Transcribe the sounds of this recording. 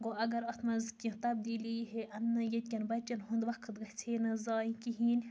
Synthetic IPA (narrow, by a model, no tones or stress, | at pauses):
ɡoɐɡɐɾɐt̪ʰmɐzkʲĩt̪ɐb̚d̪iːliɦeʔɐnːɐjet̪̚ʲkʲɐnbɐt͡ʃɐnɦund̪ʋɐkʰɨt̪ɡɐht͡sʰeːnɐzɑːjĩkiɦiːnʲ